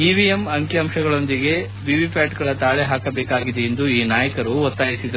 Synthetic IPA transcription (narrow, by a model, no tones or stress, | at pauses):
iʋiemɐŋkjɐɐmʂɐɡɐɭo̞nd̪iɡe̞ | ʋiːʋipaːʈɡɐɭɐt̪aːɭeɦaːkɐbɛːkaːɡid̪eːnd̪uiːnaːjɐkɐɾuɔt̪ːaːjisid̪ɐɾu